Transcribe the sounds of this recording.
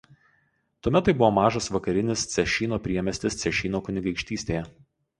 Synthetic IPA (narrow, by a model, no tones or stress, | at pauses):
t̪uɔmʲɛt̪ːɐɪbʊʋoːmɑːʒɐsʋɐkɐɾʲɪnʲɪst̪sʲɛʃʲiːnoːpʲɾʲiɛmʲɛsʲt̪ʲɪst̪sʲɛʃʲiːnoːkʊnʲɪɡɐɪkʃʲt̪ʲiːsʲt̪ʲeːjɛ